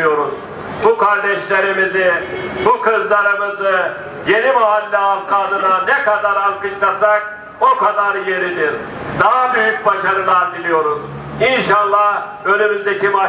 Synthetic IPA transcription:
jo̞ɾuz̥ | bukʰaɾd̪ɛʃlʲe̞ɾimizibukʰɯzlˠaɾɯmɯzɯ | je̞nimaɦalʲːɛafkʰad̪ɯnanɛkad̪aɾalˠkɯt͡ʃlasak̚ | o̞kad̪aɾje̞ɾid̪iɾ | d̪aɦabyjyc̚baʃaɾɯlˠanbilʲijo̞ɾuz | inʃalˠːah | ø̞lymyzd̪ecʰiba

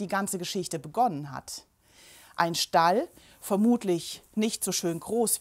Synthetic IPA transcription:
d̥iːɡant͡səɡəʃɪçtəbəɡɔnənɦa̰t | ʔaɪnʃtal | fɛɐmuːtʰlɪçnɪçtz̥oʃøːnɡʁoːs

